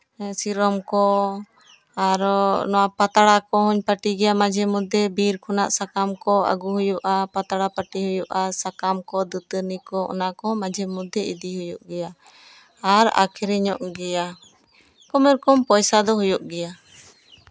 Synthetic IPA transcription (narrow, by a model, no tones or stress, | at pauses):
siɾɔmkɔ | aɾnɔwapat̪aɽakɔɦɔɲpaʈiɡɛjamad͡ʒʱɛmud̪ɛbiɾkʰɔnaʔsakamkɔa̰ɡuɦujuʔapat̪aɽapaʈihujuʔasakamkɔd̪ut̪əɾnikɔɔ̰nakɔmãd͡ʒʱɛmud̪ɛid̪iɦujuʔɡɛjaː | ɾa̰kʰiɾɛɲɔʔɡɛja | kɔmɛɾkɔmpɔjsad̪ɔɦujuʔɡɛja